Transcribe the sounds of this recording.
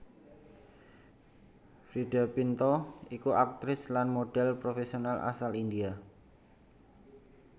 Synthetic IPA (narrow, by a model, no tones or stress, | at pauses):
fɾiɖa̤pint̪ɔikuʔak̚t̪ɾɪslanmoɖ̥ɛlpɾofesionalʔa̰salindia